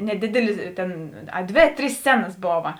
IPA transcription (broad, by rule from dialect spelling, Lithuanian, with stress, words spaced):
nʲɛˈdʲɪdʲɛlʲɪs ˈtʲeːn ɐˈdʲʋʲeː ˈtʲrʲiːs ˈsʲt͡sʲæːnɐs ˈboːʋɐ